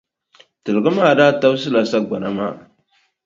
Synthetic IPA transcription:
tɨ˨lɣɨ˦ma˦˨daː˦ta˦ws̬ɨ˦la˨sa˦ɡʷa˨na˦ma̰˦

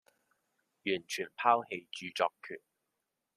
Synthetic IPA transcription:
jyː˨˩nt͡ʃʰy˨˩npʰaː˥whe˧jt͡ʃyː˧t͡ʃɔː˧kʰy̰ː˨˩n

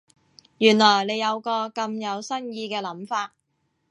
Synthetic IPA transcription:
jyː˨˩nlɔː˨˩jne˨˧jɐ˨˧wkɔː˧kɐ˧mjɐ˨˧wsɐ˥njiː˧kɛː˧lɐ˨˥mfaː˧t̚

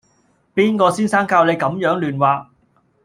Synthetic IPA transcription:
piː˥nkɔː˧siː˥nsaː˥ŋkaː˧wle˨˧jkɐ˨˥mjœː˨˥ŋlyː˨nwaː˨˧

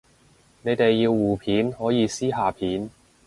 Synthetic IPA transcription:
ne˨˧jt̪e˨jːiː˧wːuː˨˩pʰiː˨˥nhɔː˨˥jiː˨˧siː˥ɦaː˨˩pʰiː˨˥n

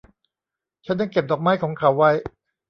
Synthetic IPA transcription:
t͡ɕʰa˦˥nda˧˩ŋke˨˩p̚d̪ɔː˨˩k̚maː˦˥˩jkʰɔː˩˦ŋkʰa˨˩˦wːa˦˥˩j

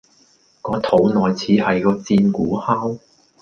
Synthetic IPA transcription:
kɔː˨˧˥t̪ʰo˨˥wnɔː˨jt͡sʰiː˨˥hɐ˨jkɔː˧t͡siː˧nkuː˨˥haː˥w

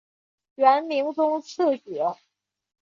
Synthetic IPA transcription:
ɥɛ˧˥nmi˧˥ŋʈ͡ʂʊ˥ŋt͡sʰɤ˥˩t͡ɕɛ˨˩˥

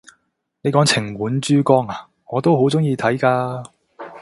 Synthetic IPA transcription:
ne˨˧jkɔː˨˥ŋt͡sʰɪ˨˩ŋwuː˨˥nt͡ʃyː˥kɔː˥ŋa˨ | ŋɔː˨˧t̪o˥wɦo˨˥wt͡sʊ˥ŋjiː˧t̪ʰɐ˨˥jkaː˧

